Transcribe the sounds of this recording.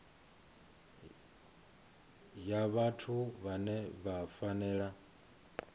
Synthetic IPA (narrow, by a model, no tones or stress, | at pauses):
jaβatʰuβanɛβafanɛːɺa